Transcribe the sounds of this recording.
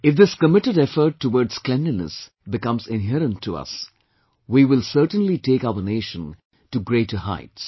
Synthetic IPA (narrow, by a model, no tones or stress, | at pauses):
ɪfd̪ɪskəmɪʈɨɾɛfəɾʈʰːəwɔːdz̥klɛ̃ndənə̰s | bɪkʌ̃mzɪ̃nɦɛɾə̃ntʰːuʌ̰s | wiwɪlˠsəɾʈə̃nlitʰeːkaʊəɾneɪʃə̃n | tuɡɾeɪtəha̰ɪts